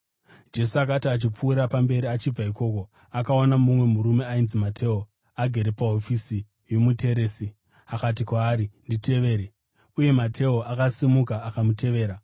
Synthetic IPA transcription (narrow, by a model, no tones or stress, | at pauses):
d͡ʒe̞suakatiat͡ʃip͡fuːɾapambe̞ɾiat͡ʃib͡vaiko̞ko̞ | akaonamumwe̞muɾume̞ainzimatʰe̞ːo | aɡʱe̞ɾe̞paɦofisi | je̞mutʰe̞ɾeːsi | akat̬ikwaːɾindite̞ʋe̞ːɾe | uje̞matʰe̞oʔakasimukaːkamute̞ʋe̞ːɾa